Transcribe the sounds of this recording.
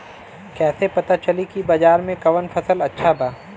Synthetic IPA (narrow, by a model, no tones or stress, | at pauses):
kɛːsepɐt̪at͡ʃɐlikibɐd͡ʒaːɾmẽkɐʋənfʰɐsəlɐtːʃʰabaː